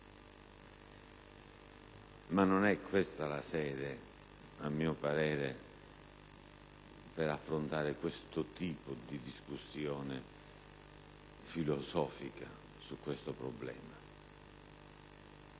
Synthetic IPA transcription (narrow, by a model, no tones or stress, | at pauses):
manːonɛkʰːwest̪alasɛːd̪e | amːiːʊpaɾɛːɾe | pɛɾafːɾʊnt̪aːɾɪkwest̪ʊt̪iːpʊd̪id̪iskusːjɔːnɪ | filɔsɔːfika | sukːwest̪ʊpɾɔblɛ̰ːma